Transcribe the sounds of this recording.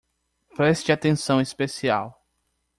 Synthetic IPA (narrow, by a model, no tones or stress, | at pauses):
pɾɛst͡ʃɪat̪ẽsɐ̃w̃ispesia̰w